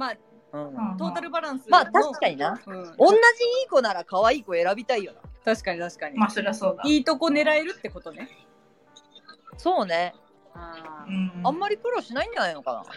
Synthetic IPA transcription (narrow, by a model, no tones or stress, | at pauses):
maː | ɯ̟̃ɴt̪o̞ːt̪aɾɯ̟baɾãɰ̃sɨmaːt̪aoɕi̥kaɲ̟inaɯ̃õ̞nːaʑiiːko̞naɾakaβaiːko̞e̞ɾabʲit̪aijo̞na̰t̪aɕi̥kaɲit̪aɕi̥kaɲ̟imasoɾeasoːd̪aiːt̪o̞ko̞ne̞ɾaeɾɯ̟t̪ːe̞ko̞t̪o̞ne | so̞ːne̞ | aɯ̟̃ãmːaɾʲikɯ̟ɾo̞ɕinaĩɲ̟d͡ʑanajnoka̰na̰